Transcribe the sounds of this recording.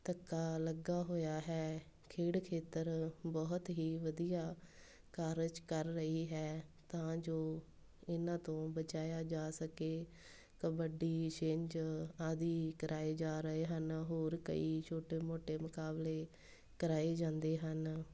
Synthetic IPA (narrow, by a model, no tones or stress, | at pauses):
t̪əkːaːləɡaːɦoːjaːɦɛː | kʰeːɽkʰeːt̪əɾbɔːt̪ɦiːʋəd̪ijaː | kəɾt͡ʃkəɾːəiːɦɛːt̪ãːd͡ʒoː | ɪnãːt̪õːbət͡ʃaːjaːd͡ʒaːsəkeː | kəbəɖiːʃẽːɲd͡ʒaːd̪iːkəɾʔaːeːd͡ʒaːɾəeːɦənɦoːɾkə̰iːt͡ʃʰoːʈeːmoːʈeːmʊkaːbleː | kəɾaːeːd͡ʒãːnd̪eːɦən